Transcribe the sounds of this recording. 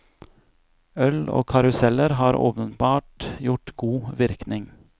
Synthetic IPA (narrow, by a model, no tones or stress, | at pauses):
œlo̰ːkʰɑɾʉsɛləɾɦɑːɾʔo̰ːpənbɑːʈjʊʈɡuːʋɪɾknɪŋ